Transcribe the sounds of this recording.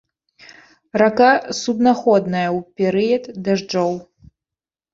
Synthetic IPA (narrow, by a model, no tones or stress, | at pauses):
rakasubnaxɔd̪nɐjɐwpʲɛɾɨjɐd̪d̪aʐd͡ʐɔw